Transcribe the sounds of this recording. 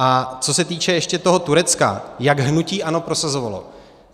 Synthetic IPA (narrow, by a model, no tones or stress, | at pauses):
ʔat͡so̞sɛt̪iːt͡ʃɛjɛʃcɛt̪o̞ɦo̞t̪uɾɛt͡ska̰jaɡɦnuciːʔano̞pɾo̞sazo̞valo̞̰